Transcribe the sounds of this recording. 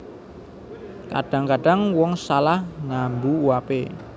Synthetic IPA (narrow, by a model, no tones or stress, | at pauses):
ka̰ɖ̥a̤ŋkaɖ̥a̤ŋwɔŋsalahnambuwape